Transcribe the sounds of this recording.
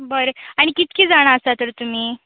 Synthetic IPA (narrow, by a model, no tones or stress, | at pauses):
bəɾəaɽ̃ikit̪̚kʰiːd͡zaɽ̃aəsat̪əɾt̪um̤iː